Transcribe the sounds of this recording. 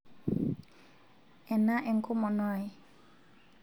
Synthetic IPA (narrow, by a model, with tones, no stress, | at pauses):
ʔɛ˨na˦ʔɛ˨ŋkʰo˦mɔ˧˨nɔ˧˨j